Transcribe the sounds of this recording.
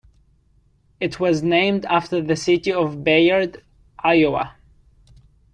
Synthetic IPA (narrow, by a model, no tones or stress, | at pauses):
ɨtʰwʌznẽɪ̃mdæftə˞ðɨsɪɾiʌvbeə˞d | ʔaɪoə̰